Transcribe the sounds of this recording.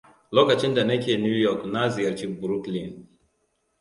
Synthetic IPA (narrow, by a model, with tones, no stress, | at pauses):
lɔ˦ka˨t͡ʃĩ˦nda˨nɛ˦ki˦e˦˨nu˦jɔ˦˨kna˦zi˨a˨ɾt͡ʃi˦kbu˨ɾu˦kli˨n